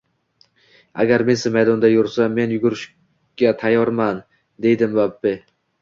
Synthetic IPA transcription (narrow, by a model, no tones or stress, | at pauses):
a̰ɡʲaɾme̞nsɪmajd̪ɒnd̪ajʊɾsame̞njʊɡʊɾɪʃ | ɡ̥ʲat̪ʰajɒɾman | d̪e̞jd̪ɪmbabːɪ